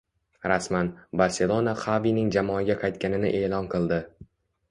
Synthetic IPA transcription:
ɾasmanbaɾse̞lˠo̞naχavinɪŋd͡ʒamɒːɡʲaqʰɑjt̪̚kʲanɪnɪ̰ʔeːlˠɒnqʰɨlˠd̪ɪ

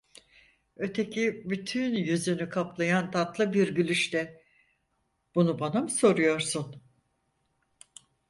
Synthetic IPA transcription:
ø̞t̪ʰe̞cʰibyt̪ʰynjyzynykʰaplˠajant̪ʰat̪lˠɯbiɾɟylʲyʃt̪ɛ | b̥unubanamɯso̞ɾujo̞ɾsun

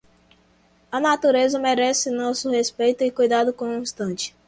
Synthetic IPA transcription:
ɐnat̪uɾezɐmeɾɛsɪnɔsʊhespejt̪ʊɪkujd̪ad̪ʊkõũĩst̪ɐ̃t͡ʃɪ̥

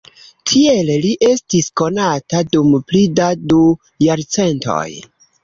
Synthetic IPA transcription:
tʰielliʔe̞stisko̞natadumplidadu | jaɾt͡se̞nto̰j

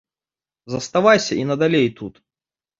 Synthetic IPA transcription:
zɐst̪avajsʲɐʔinɐd̪alʲejt̪ut̪

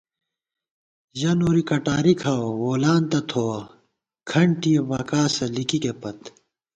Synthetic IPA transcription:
jɐnoːɾikɐʈaːɾikʰawowoːlaːnt̪ɐt̪ʰoːɐ | kʰɐɳʈijɐbɐkaːsɐlikikepɐt̪

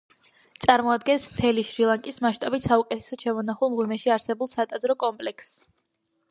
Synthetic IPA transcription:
t̪sʼaɾmɔad̪̚ɡɛnsmt̪ʰɛliʃɾilˠaŋkʼismaʃt̪ʼabit̪ʰsaukʼɛt̪ʰɛ̥sɔt͡ʃʰɛmɔnaχulˠmʁwimɛʃiaɾsɛbulˠsat̪ʼad̪zɾɔkʼɔmpʼlɛks

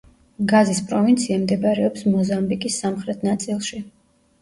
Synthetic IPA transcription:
ɡazispʼɾɔvint̪sʰiamd̪ɛbaɾɛɔpsmɔzambikʼisːamχɾɛt̪ʰnat̪sʼilˠʃi

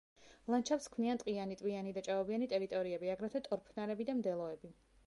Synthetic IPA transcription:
lˠant͡ʃʰapskʰmniant̪ʼqʼianit̪ʼwianid̪at͡ʃʼaɔvianit̪ʼɛɾit̪ʼɔɾiɛbiaɡɾat̪ʰat̪ʼɔɾpʰnaɾɛbid̪amd̪ɛlˠɔɛbi

